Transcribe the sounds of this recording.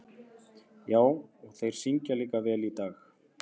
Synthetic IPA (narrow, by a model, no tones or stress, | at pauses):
jaːwɔɣθejɾ̥siɲcaliːkavɛːlit̪aːx